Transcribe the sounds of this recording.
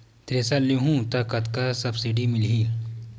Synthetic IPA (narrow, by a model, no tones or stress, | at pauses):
t̪ɾeːsaliɦũt̪akɐt̪kasɐbsiɖimɪlɦi